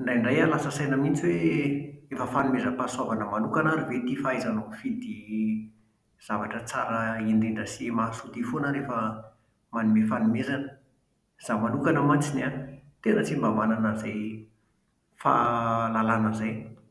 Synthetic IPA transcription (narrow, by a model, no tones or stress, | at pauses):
ɳɖ͡ʐajɳɖ͡ʐajalasəsajnəmint͡siwe | efəfanumezəpaswavanəmanukanaɾivet̪ifaazanofid̪i | z̥avaʈ͡ʂət͡sa̰ɾəind̪iɳɖ͡ʐəsimasut̪ifonəɾefə | manimefanumezanə | z̥amanukanəmat͡sinat̪enət͡simbamananəzaj | fa̰lalanəzaj